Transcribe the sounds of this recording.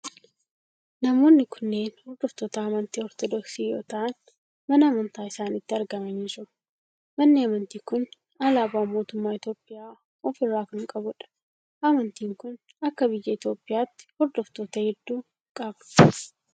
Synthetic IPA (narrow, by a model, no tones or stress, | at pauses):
nɐmo̞ːnːɪkʰʊnːe̞ːnhɔɾd̪ɔft̪ɔt̪ɐːmɐnt̪iːɔɾt̪ɔd̪ɔksiːjo̞̰ːt̪ɐʔɐn | mɐnɐɐmɐnt̪aːɪsaːnɪt̪ːɪɐɾɡɐmɐnɪsʊ | mɐnːɪɐmɐnt̪iːkʊn | ɐlaːbaːmo̞ːt̪ʊmːaːɪt̪jo̞ːpʼːɪjaː | ɔfɪrːaːkʊŋkʼɐbʊᶑɐ̥ | ʔɐmɐnt̪iːŋkʊn | ɐkːɐbɪjːɐɪt̪jo̞ːpʼːɪjaːt̪ːɪ̥hɔɾd̪ɔft̪oːt̪ɐhɪd̪ːuː | kʼɐbnʊ̥